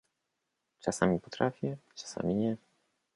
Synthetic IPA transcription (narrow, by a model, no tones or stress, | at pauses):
t͡ʂasamʲipɔt̪ɾafʲjɛt͡ʂḁsa̰mʲiɲɛ